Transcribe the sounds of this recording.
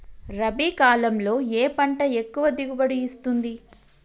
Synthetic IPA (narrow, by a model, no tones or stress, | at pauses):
ɾɐbiːkaːlɐmlo̞ːeːpɐɳʈɐekːuʋɐd̪iɡubɐɽiːst̪und̪i